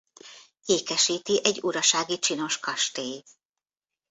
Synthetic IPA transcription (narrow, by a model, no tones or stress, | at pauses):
eːkɛʃiːt̪iʔɛɟːuɾɒʃaːɡit͡ʃino̞ʃkɒʃt̪eːj̪